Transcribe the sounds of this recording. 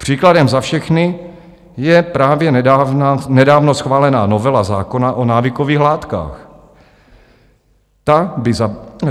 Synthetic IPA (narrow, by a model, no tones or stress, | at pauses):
pr̝̥iːkladɛmzafʃɛxnɪ | jɛpɾaːvjɛnananɛdaːvnosxvaːlɛnaːnovɛlaza̰ːkonaʔonaːvɪkoviːɣlaːt̪ka̰ːx | t̪abɪza